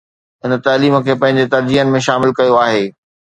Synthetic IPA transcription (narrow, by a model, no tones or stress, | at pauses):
ɪn̆t̪aːliːmə̆kʰeːpɐ̃ɦɪ̃ɲd͡ʑet̪ɐɾd͡ʑiːɦənɪ̆mẽʃaːmɪlkɐjoaːɦeː